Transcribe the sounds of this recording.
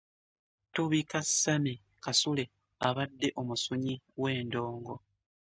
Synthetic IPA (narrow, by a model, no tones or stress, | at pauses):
tuβikasami | kasule̞ | aβadːe̞ʔo̞musuɲiwe̞ːndo̞ːŋɡo̞